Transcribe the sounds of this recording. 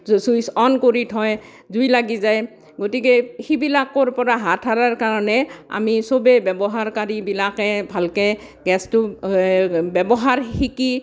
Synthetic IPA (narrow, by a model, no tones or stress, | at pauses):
sujsɔnkoɹitʰɔj | zujlaɡizaj | ɡotikɛxibilakɔɹpɔɹaɦatʰːaɹaɹkaɹɔnɛa̰misobɛbɛbɔɦaɹkaɹibilakɛbʱalkɛ | ɡɛstʊ | bɛbɔɦaɹhiki